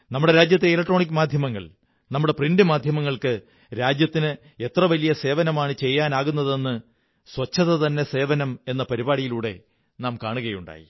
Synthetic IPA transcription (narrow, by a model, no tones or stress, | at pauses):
nɐmːuɽe̞ɾaːd͡ʑjɐt̪ːeilɐk̚ʈːroːɳik̬ʲːɨmaːd̪ʱjɐmɐŋːɐ̰ɭ | nɐmːuɽe̞prinɖɨmaːd̪ʱjɐmɐŋːɐɭkɨ | ɾaːd͡ʑjɐt̪ːinɨ | e̞t̪rɐʋɐlijɐse̞ːʋɐnɐmaːɳɨt͡ɕe̞jːaːnaːɣunːɐðe̞nːɨ | swɐt͡ɕːɐðɐðɐnːe̞se̞ːʋɐnɐme̞nːɐpɐɾibaːɽijiluːɽe̞̰ | naːmkaːɳuɣɐjuɳɖa̰ːjḭ